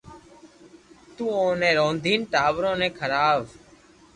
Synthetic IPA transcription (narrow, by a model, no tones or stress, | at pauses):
t̪uːõːnẽːɾõːnd̪ʱiːnʈaːʋɾõːnẽːkʰəɾaːʋ